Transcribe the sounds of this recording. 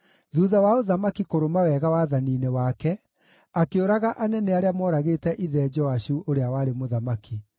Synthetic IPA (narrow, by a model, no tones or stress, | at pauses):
ðuːðawaoðamakikoɾomawɛɣawaðaniːnewakɛ | akeoɾaɣaʔanɛnɛaɾeamɔːɾaɣeːtɛʔiðɛd͡ʒɔaɕuʔoɾeawaɾemoðamaki